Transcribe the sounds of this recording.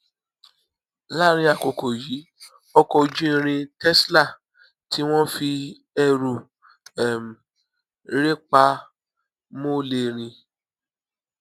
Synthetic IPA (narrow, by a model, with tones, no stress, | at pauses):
la˦˨ɾ̃ĩ˧a˨ko˨ko˨ji˨˦ | ɔ˦kɔ˧d͡ʒĩ˦˧ɾ̃ĩ˧tɛ˦sla˦˨ | ti˨˦w̃ɔ̃˦fi˧ | ɛ˧˨ɾu˨ | ɛ˨m˨˦ | ɾe˦k͡pa˧ | mo˦le˧ɾ̃ĩ˧